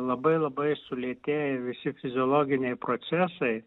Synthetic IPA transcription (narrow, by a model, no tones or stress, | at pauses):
lˠɐbɐɪlˠɐbɐɪsʊlʲiɛt̪ʲeːjɪʋʲɪsʲɪfʲɪzʲɪɔlˠoːɡʲɪnʲɛɪpɾot̪sʲæsɐɪ